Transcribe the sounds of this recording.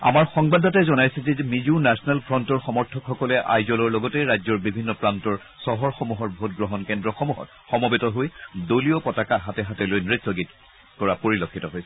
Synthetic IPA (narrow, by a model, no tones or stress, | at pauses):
a̰maɹxɔŋbadɔtɛzɔnajsɛzɛmizunasɔnɛlpʰɹɔntɔɹxɔmɔɹtʰɔkxɔkɔlɛʔa̰jzɔlɔɹlɔɡɔtɛɹajzɔɹbibʱinːɔpɹantɔɹ | sɔɦɔɹxɔmuɦɔɹbʱotɡɹɔɦɔnkɛndɹɔxɔmuɦɔ̰t̚ | xɔmɔbɛtɔɦojdoliɔpɔtakaɦatɛɦatɛlojnɹetːɔɡit | kɔɹapoɹilokʰːitɔɦojsɛ̥